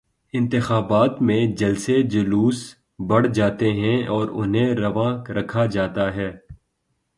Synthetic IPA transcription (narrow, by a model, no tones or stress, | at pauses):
ɪ̃nt̪ɪxaːbaːt̪mẽd͡ʒɐlsed͡ʒʊluːs | bɐɽ̤d͡ʒaːt̪eɦɛ̃ɔːɾʊ̰nɦẽɾɐʋãːɾɐkʰad͡ʒaːt̪aɦɛː